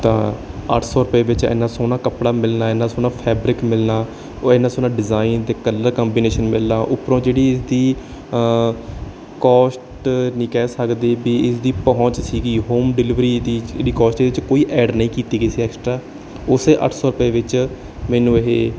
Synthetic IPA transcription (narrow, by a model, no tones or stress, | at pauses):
t̪ãːə̰ʈʰsɔːɾʊpeːʋɪt͡ʃɛ̰ːnːaːsoːnaːkəpɽaːmɪlnaːeːnãːsoːnaːpʰɛːbɾɪkmɪlnaː | eːnːãːsoːnãːɖɪzaːiːnt̪eːkəlːəɾkəːmbiːneːʃənmɪlnaːʔʊpɾõːd͡ʒeːɽiːɪsd̪iː | kɔːsʈnĩːkɛːsəkd̪eːbiːɪsd̪iːpəɦɔ̃t͡ʃsiːɡiːɦoːmɖɪlɪʋɾiːd̪iːḛːɽiːkɔːsʈːeɪt͡ʃkoːiːʔɛːɖnəĩːkiːt̪iːɡeːsiːɛːksʈɾaː | ʊseːʔə̰ʈʰsɔːɾʊpeːʋɪt͡ʃ | mɛ̃ːnũːeɦeː